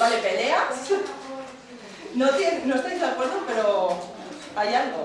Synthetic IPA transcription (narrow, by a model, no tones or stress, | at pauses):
bale̞pe̞le̞a | not̪ennoest̪ajzðakweɾðope̞ɾo̞ | ajalo